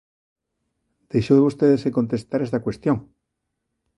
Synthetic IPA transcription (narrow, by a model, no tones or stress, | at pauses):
d̪̥ejʃoðeβust̪eðeseko̞nt̪est̪aɾest̪akwest̪joŋ